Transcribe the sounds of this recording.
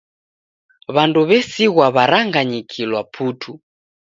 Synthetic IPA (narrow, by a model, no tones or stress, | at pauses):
βanduβɛsiɣwaβaɾaŋɡaɲikʰilwapʰutʰu